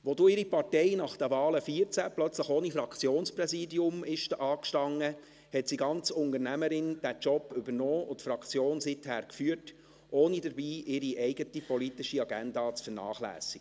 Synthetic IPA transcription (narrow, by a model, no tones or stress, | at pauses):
ʋoduːɪɾipɑrtɛɪnɑχd̥ɛʋɑːləfiəɾt͡sæplœt͡sləχoːnifɾɑkʰt͡sjoːnsprɛsiːdiʊmɪʃtʔɑːkʃtɑŋːə | hɛtsiɡɑnt͡sʊndəɾnæməɾɪnd̥æt͡ʃɔpːʏbəɾnɔːʊtfɾɑkt͡sjoːnsɪthæɾkfyːəɾt | ʔoːnidəɾbiːʔɪɾiʔɛɪɡətipɔlitɪʃiɑɡændɑːt͡sfənɑ̰ːχlæ̰ːsiɡ̥ə